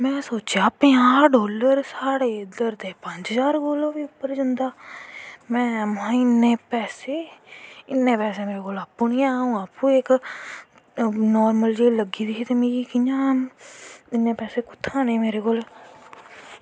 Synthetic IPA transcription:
mɛ̃ːsoːt͡ʃjaːpẽːaːɖoːləɾsaːɽeːd̪əɾd̪eːpə̃ɲd͡ʒd͡ʒaːɾɡoːlõːʋiːʊpːəɾd͡ʒãnd̪aː | mɛ̃ːmãːɪnːeːpɛːseːɪnːẽːpɛːseːmeːɾeːkoːlaːpːʊniːaːũːaːpũːeːk | nɔːɾməld͡ʒeːləɡiːd̪iːsiːt̪emĩːiːkɪjãː | ɪnːẽːpɛːseːkʊt̪ʰːãːneːmeːɾeːkoːl

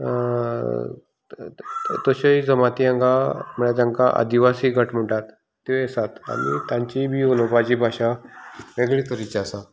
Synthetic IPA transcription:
t̪oɕəid͡zəmat̪iãŋɡam̤əɽat̪ãŋkaʔa̰d̪iʋasiːɡʱəʈm̤əʈat̪ː | eesat̪a̰ɽḭt̪jãɲt͡ɕibʱiːolopat͡ɕiːbʱaɕaʋeɡɭikəɾit͡ɕiasa

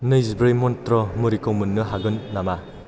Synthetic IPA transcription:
nɯjzbɾejmɔntɾɔmuɾikowmɯnːɯɦaɡɯnːama

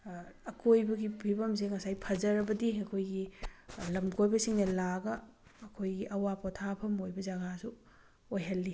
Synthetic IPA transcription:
ɐkʰojbɐɡipʰibɐms̬eŋɐsajpʰɐzɐɾɐbɐdiɐkʰojɡilɐmɡʰojbɐsiŋnɐlaɡɐː | kʰojɡiʔɐwapotʰapʰɐmojbɐd͡ʒɐɡasu | ojɦɐlːi

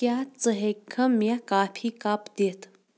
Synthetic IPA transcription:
kjat͡səɦekʰəmakafʰiːkapd̪et̪

